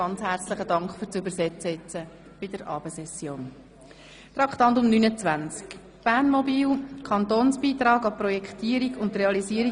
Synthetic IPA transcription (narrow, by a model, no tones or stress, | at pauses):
ɑnt͡shæɾt͡sləχədɑŋkχfyːɾt͡sʏbəɾsɛt͡sət͡sə | b̥ɪd̥əɾʔɑːb̥əsɛsjoːn | t̪ɾɑkχtɑnt̪ʊmnynət͡sʋænt͡sk | b̥æːnmɔbiːlkʰɑnt̪oːnsb̥iːt̪ɾɑːɡɑprɔjɛkχt̪iːəɾiɡʊntreɑliziːəɾi